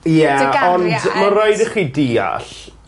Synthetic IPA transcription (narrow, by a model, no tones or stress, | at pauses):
jɛɔndmarajdəχidiːa̰ɬ